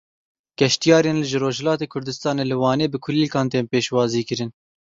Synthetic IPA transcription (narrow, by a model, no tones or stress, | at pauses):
ɡ̥ɛʃt̪ijɑːɾeːnlɨʒɨɾoːʒhɛlɑːt̪eːkʰʊɾd̪ɨst̪ɑːneːlɨwɑːneːbɨkʰʊliːlkʰɑːnt̪eːmpeːʃwɑːziːkɨɾɨn